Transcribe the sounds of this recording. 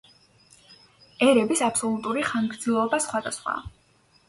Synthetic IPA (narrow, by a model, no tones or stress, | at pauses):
ɛɾɛbisapsɔlˠut̪ʼuɾiχanɡɾd̪zilˠɔbasχwad̪a̰sχwa̰